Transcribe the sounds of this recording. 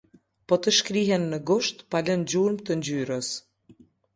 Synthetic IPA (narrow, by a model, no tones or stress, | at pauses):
pɔt̪əʃkɾiɦɛnːəɡuʃt̪palənd͡ʑuɾmt̪ənd͡ʑyɾəs